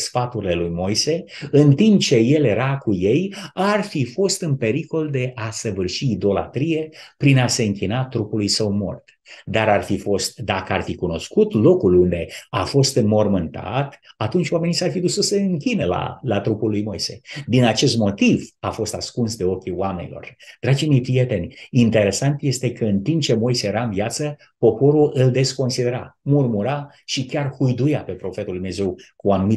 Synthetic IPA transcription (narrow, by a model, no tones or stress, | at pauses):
sfat̪uɾile̞lujmo̞jse̞ɨnt̪impt͡ʃe̞je̞lje̞ɾakuje̞jarfifo̞st̪ɨnpe̞ɾiko̞ld̪e̞ʔasəvɨrʃiːd̪o̞la̰t̪ɾije̞pɾinase̞ɨŋkʲinat̪ɾupulujsəwmo̞̰rt̪ | d̪aɾarfifo̞st̪d̪akəarfikuno̞skut̪lo̞kulund̪e̞afo̞st̪mo̞rmɨnt̪a̰t̪at̪unt͡ʃʲwame̞nisarfid̪usəseɨŋkʲinəla̰lat̪ɾupulːujmo̞jse̞̰d̪inat͡ʃe̞st̪mo̞t̪ivafo̞st̪askunsd̪e̞o̞kʲiwame̞nʲḭlo̞̰rd̪̥ɾad͡ʒime̞jpɾije̞t̪e̞nʲint̪e̞ɾe̞sant̪jest̪e̞kəɨnt̪impt͡ʃe̞mo̞jsejeɾaɨnviat̪sə | po̞po̞ɾuʔɨld̪e̞sko̞nsid̪e̞ɾa̰murmuɾa | ʃikʲarhujd̪ujape̞pɾo̞fe̞t̪uld̪umneze̞wkuanumi